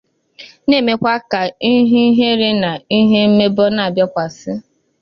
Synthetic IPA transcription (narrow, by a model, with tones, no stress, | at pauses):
ne˦˨me˦kʷa˦ka˨i˦ɦi˦ɦe˦ɾɪ˦na˨i˦ɦe˦m̩˦me˦bɔ˦na˨bjɔ˦kʷa˨sɪ˦